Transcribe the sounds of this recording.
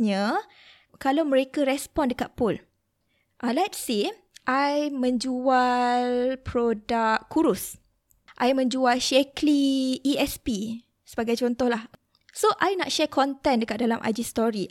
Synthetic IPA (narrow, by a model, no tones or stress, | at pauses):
ɲã | kalawməɾekaɾɛspɔndəkat̪̚pʊl | ʔalɛt̚se | ʔajmə̃ɲd͡ʒualpɾɔdakkːuɾus | ʔajmə̃ɲd͡ʒualʃɛkliːɛspi | səbaɡajt͡ʃɔnt̪ɔhlah | soʔajnaʔʃɛkʰɔnt̪ɛndəkaʔ̚dalamʔa̰d͡ʒist̪ɔɾi